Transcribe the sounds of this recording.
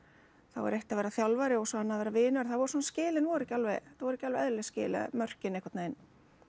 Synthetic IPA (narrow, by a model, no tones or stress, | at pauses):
θa̰wɛ̰ɾejht̪avɛːɾaθjawlvaɾɪɔsɔanːaðvɛːɾavɪːnʏɛɾ̥θavɔɾsɔnascɪːlɪnvɔɾɛcːalvɛjθawvɔɾɛcːalvɛɛðɾlɛscɪ̰ːlɪa̰mœr̥cɪnejkvaɾt̪nejn